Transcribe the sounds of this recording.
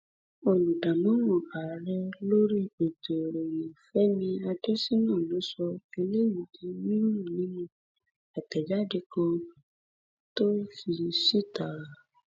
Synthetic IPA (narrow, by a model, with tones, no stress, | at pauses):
o˨lũ˨da˨mɔ̃˨˦mõ˨a˨ɾɛ˧lo˦ɾi˦˨k͡pe˨to˨ɾe˨je˨fɛ˨˦mĩ˧a˧de˦si˦nã˦˨lo˨˦sɔ˧e˧le˦jĩ˨di˧mĩ˦nũ˦˨nĩ˦nũ˦˨ | a˨tɛ˨d͡ʒa˦de˧kɔ̃˧ | to˦fi˧si˦˨ta˨˦˨ɾa˨